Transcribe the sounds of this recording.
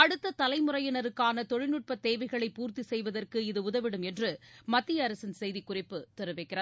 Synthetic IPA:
ɐɽɯt̪ːɐt̪ɐlɐɪmɯrɐjɐnɐɾɯkːaːnɐt̪ɔɻɪnɯʈ̚pɐt̪ːeːʋɐɪɣɐɭɐɪpːuːɾt̪isɛjʋɐðɐrkɯɪðɯʊðɐʋɪɽɯmɛndrɯmɐt̪ːɪjɐːɾɐsɪnsɛjðikʊrɪpːɯt̪ɛɾɯʋɐɪkːɪrɐ

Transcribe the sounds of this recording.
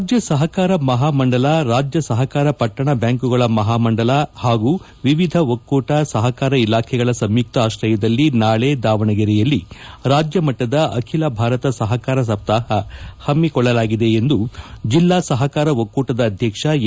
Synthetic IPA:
d͡ʒjɐsɐɦɐkaːɾɐmɐɦaːmɐɳɖɐlaɾaːd͡ʒjɐsɐɦɐkaːɾɐpɐʈːɐɳɐbjaːŋkuɡɐɭɐmɐɦaːmɐɳɖɐlahaːɡuː | ʋiʋid̪ʱɐʋokːuːʈɐsɐɦɐkaːɾɐilaːkʰɛɡɐɭɐsɐmjuk̚t̪ɐaːʃɾɐjɐd̪ɐlːinaːɭeːd̪aːʋɐɳɐɡɛɾɛjɐlːiɾaːd͡ʒjɐmɐʈːɐd̪ɐʔɐkʰilɐbʱaːɾɐt̪ɐsɐɦɐkaːɾɐs̬ɐb̚t̪aːɦɐhɐmːikɔɭːɐlaːɡid̪e̞ːnd̪ud͡ʒilːaːsɐɦɐkaːɾɐʋokːuːʈɐd̪ɐːd̪ʱjɐkʂɐ

